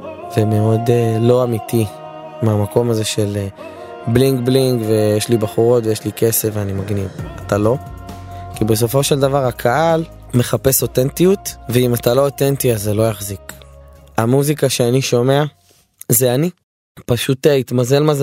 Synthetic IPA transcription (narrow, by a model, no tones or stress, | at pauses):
vemeo̞delo̞amit̪i | meamako̞maze̞ʃe̞l | bliŋɡbliŋɡvejeʃlibaχuʁo̞tvejeʃlike̞se̞fvanimaɡnivatalo̞ | kibe̞s̬o̞fo̞ʃeld̪avaʁakʰaʔal | me̞χape̞so̞tentijutveimatalo̞ːtentiazelo̞jaχzik | amuzikaʃeaniʃo̞me̞a | zeani | paʃuteit̪maze̞lmaz